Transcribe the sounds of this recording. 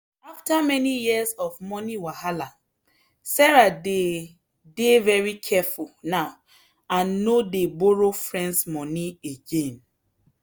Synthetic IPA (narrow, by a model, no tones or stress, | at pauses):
aftamɛnijizɔvmɔniwahala | sɛɹade | devɛɹikʰɛfulnaʊ | ãnːodeboɹofɹɛ̃ndsmɔnieɡẽn